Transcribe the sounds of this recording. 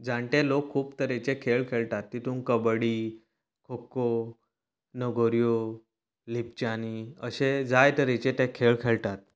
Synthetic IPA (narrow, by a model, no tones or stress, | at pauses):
d͡zãɳʈẽlokʰːuːpt̪əɾet͡ɕekʰeɭkʰeɭʈat̪ːit̪uːnkəbɽi | kʰokːo | nəɡʱoɾijo | lip̚t͡ɕaniəɕed͡zajt̪əɾẽt͡ɕẽt̪ɛ̃kʰeɭkʰeɭʈat̪̚